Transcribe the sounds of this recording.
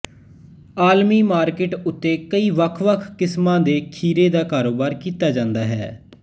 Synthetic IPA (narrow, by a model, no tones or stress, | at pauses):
aːlmiːmaːɾkɪʈʊt̪ːeːkəiːʋəkʰʋəkʰkɪsmãːd̪eːkʰiːɾeːd̪aːkaːɾoːbaːɾkiːt̪aːd͡ʒãːnd̪aːɦɛ̰ː